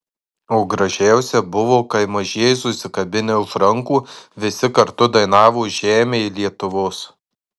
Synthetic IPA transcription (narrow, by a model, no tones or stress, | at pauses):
oːɡɾɐʒʲæˑʊsʲɛbʊʋoːkɐɪmɐʒʲiɛɛjɪsʊsʲɪkɐbʲɪnʲeʊʒɾɐŋkuːʋʲɪsʲɪkɐɾt̪ʊd̪ɐɪn̪ɑːʋoːʒʲæːmʲeilʲiɛt̪ʊʋoːs